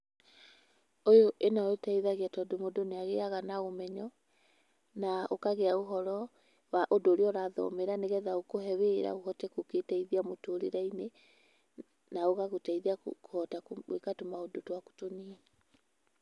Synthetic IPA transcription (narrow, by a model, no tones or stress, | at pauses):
ojoʔenaetaiðaɣeatɔdomodoneaɣeaɣanaɣomɛɲɔ | naokaɣɛaoɦɔɾɔ | waʔodoːɾeɔɾaðɔ̰meɾaneɣɛðaokoɦɛweɾa̰ohɔtɛkoketaiðiamotoɾeɾaine | naoɣaɣotaiðiakohɔtakwḛkatomaodotwako̥toniɛ